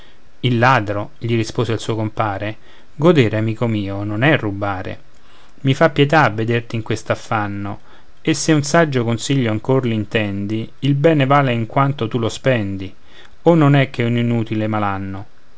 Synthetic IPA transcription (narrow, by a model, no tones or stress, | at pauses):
ilːaːd̪ɾo | ʎiɾispoːseilsuːokompaːɾe | ɡod̪eːɾeamiːkomiːononɛrːubaːɾḛ | mifapːjet̪aavːed̪ert̪iŋkwest̪afːanːo | esːeunsad͡ʒːokonsiʎːoaŋkorlint̪ɛnd̪iilbɛːnevaːleiŋkwant̪ot̪ulospɛnd̪i | onːonɛkːeuninuːt̪ilemalanːo